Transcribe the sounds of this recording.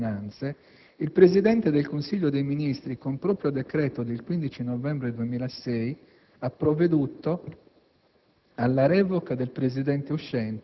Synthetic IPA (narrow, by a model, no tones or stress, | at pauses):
nant̪se | ilpɾezid̪ɛnt̪ed̪elkonsiʎːod̪ejminist̪ɾikompɾoːpɾjod̪ekɾɛːt̪od̪elkwind̪it͡ʃinɔvɛmbɾed̪uemiːlasɛj | apːɾovːed̪ut̪ːo | alːaɾɛːvoɔkad̪elpɾezid̪ɛnt̪euʃːɛnt̪